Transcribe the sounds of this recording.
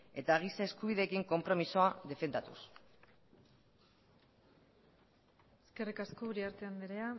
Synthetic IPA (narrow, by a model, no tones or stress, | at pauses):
e̞t̪aɣ̞isae̞skuβ̞iðe̞kiŋko̞mpɾo̞miso̞ad̪e̞fe̞nd̪at̪ṵs | eske̞rikaskouɾiaɾt̪eand̪iɾea